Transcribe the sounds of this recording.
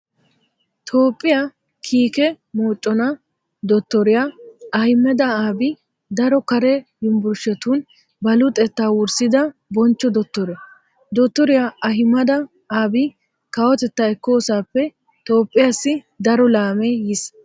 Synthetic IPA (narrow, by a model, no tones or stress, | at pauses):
t̪ʰo̞ːpʼːɪja | kʰiːkɛ | moːt͡ʃʼːɔnɐ | d̪ɔt̪ːɔɾɪjaɐhɪmːɛd̪ɐaːbɪ | d̪ɐɾɔkɐɾɛhɪmbʊɾʃɛt̪uːn | bɐlʊt̪ʼɛt̪ːaːwʊɾsɪd̪ɐbɔnt͡ʃːɔd̪ɔt̪ːɔɾɛ | d̪ɔt̪ːɔɾɪjaɐɦɪmːɐd̪ɐ | aːbɪ | kɐwɔt̪ɛt̪ːɐɛkːo̞ːsaːpːɛ | t̪o̞ːpʼːɪjasːɪ | d̪ɐɾɔlaːmɛjɪs